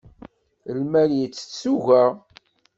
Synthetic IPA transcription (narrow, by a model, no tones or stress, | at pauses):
lmæljət͡sːə̥suʝæ